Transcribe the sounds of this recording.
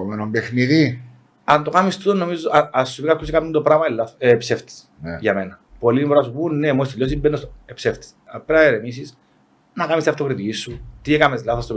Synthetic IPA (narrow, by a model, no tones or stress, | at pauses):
omenombexniði | ɐnt̪okɐmist̪ut̪onːomizoɐɐsːupikɐkːus̬ikɐmnund̪opɾɐmɐelːɐepseft̪i̥s | ʝɐmenɐ | polinpoɾɐsubunːemoist̪eʎːos̬imbenːosoepseft̪i̥sɐpɾɐeɾemis̬is | nɐkɐmist̪iɐft̪okɾit̪icisːut̪iekɐmezlɐθost̪o